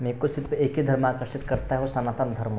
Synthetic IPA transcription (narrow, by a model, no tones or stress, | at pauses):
mẽːkosɪɾpʰeːkid̪ʱɐɾmaːkɾəʃɪt̪kɐɾt̪aɦɛosɐnaːt̪ənd̪ʱɐɾm